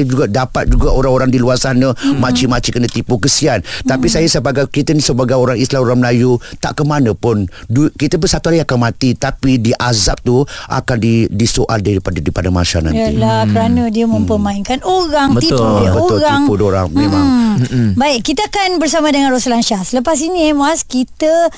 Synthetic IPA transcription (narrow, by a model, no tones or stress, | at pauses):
d͡ʒuɡadapat̪̚d͡ʒuɡaʔoɾaŋoɾaŋdiluarsanãmãt͡ʃimat͡ʃikənãt̪ipukəsiant̪apisajasəbaɡajkit̪ənisəbaɡajoɾaŋislamoɾaŋməlajut̪a̰ʔkəmanəpʊndukit̪ap̬ʊnsat̪uaɾiakanmãt̪it̪apidiʔazap̚t̪uʔa̰kandidisoʔa̰ldaɾipadaɾipadama̰sana̰nj̪jalakəɾanə̃diəmə̃mpəmãinkanoɾaŋbəibəoɾaŋpudoɾaŋ̩ | baɪʔkit̪əakanbərsamadəŋanɾosəlanʃasələpas̬inĩɛmaskit̪ə